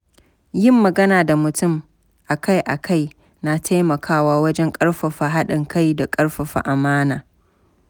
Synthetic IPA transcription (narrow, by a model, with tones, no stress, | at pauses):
jɪ˦mːɐ˨ɡɐ˦naː˨da˨mʊ˨tʊ˦˨m | ʔa˨ka˦jʔa˨kʰa˦˨j | na˨tʰa˦jmɐ˨kʰaː˦waː˦wɐ˦d͡ʒɛ˦ŋkʼɐ˦ɽɸɐ˨ɸa˨ɦa˦ɗɪ˨ŋkʰa˦jda˨kʼɐ˦ɽɸa˨ɸa̰˨ʔa˨maː˦naː˨